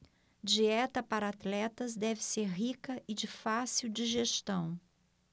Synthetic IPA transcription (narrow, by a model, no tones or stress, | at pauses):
d͡ʒiɛt̪ɐpaɾɐat̪lɛt̪ɐzd̪ɛvɪseɾɦikɐʔɪd͡ʒɪfasiwd͡ʒiʒeʃt̪ɐ̃w̃